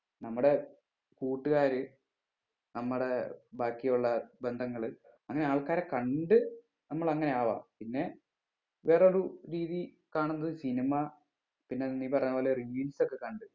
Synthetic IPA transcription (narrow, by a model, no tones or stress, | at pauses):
nɐmːuɽe̞ | kuːʈːɨɣaːɾɨ | nɐmːuɽebaːkːijuɭːɐbend̪ʱɐŋːɐɭɨ | ɐŋːɐneaːɭkaːɾekɐɳɖɨ | nɐmːɐɭɐŋːɐne̞aːʋa̰ːpinːe̞ | ʋe̞ːreoɾuɾiːði | kaːɳunːɐðɨsinimɐ | pinːe̞nːipɐrɐɲːɐpoleriʋiːlso̞kːe̞kɐɳɖɨ